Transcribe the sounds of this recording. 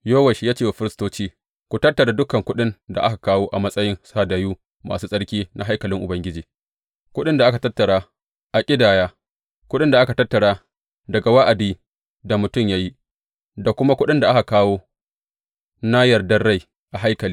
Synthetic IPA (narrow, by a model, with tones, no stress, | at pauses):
joː˦wɐ˨ʃi˨˦jaː˦t͡ʃeː˦wa˨ɸɪ˦ɾɪ˦stoː˦t͡ʃiː˦ | kʷu˨tɐ˦tːɐ˨ɽa˨dʊ˦kɐ˨ŋkʷʊ˦ɗɪ˦nda̰˨ʔa˦ka˨kaː˦woː˦ʔa˨mɐ˦sʼɐ˦jɪ˦nsaː˦daː˨˦juː˦ | ma̰ː˨suː˦sʼɐ˦ɽkʲiː˦nʔa˦ɦa˦jkɐ˨lɪ˦ŋʔʊ˨bɐ˦ŋɡʲɪ˦d͡ʒiː˨ | kʷʊ˦ɗɪ˦nda˨ʔa˦ka˨tɐ˦tːɐ˨ɽaː˦ | ʔa˨kʲʼɪ˦daː˨jaː˦ | kʷʊ˦ɗɪ˦nda˨ʔa˦ka˨tɐ˦tːɐ˨ɽaː˦ | dɐ˨ɡa˨wa˦ʔa˨diː˦ | da˨mʊ˨tʊ˦˨mja˦ji˦ | da˨kʷʊ˦ma˦kʷʊ˦ɗɪ˦nda˨ʔa˦ka˨kaː˦woː˦ | na˦jɐ˨rdɐ˦rɽa˦j | ʔa˨ɦa˦jkɐ˨liː˦